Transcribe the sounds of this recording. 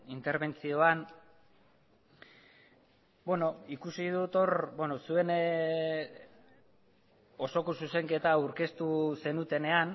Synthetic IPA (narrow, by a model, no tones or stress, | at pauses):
int̪e̞ɾβe̞nt͡sio̞an | bweno̞ikusið̞ut̪o̞ɾbeno̞sue̞n | o̞so̞ko̞suse̞ŋke̞t̪auɾke̞st̪use̞nut̪e̞ne̞an